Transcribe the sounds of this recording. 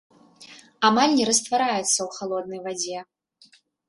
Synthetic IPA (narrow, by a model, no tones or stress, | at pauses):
amalʲnʲɛɾɐst̪vaɾajɛt̪sːɐwxalˠɔd̪̚nɐjvad͡zʲɛ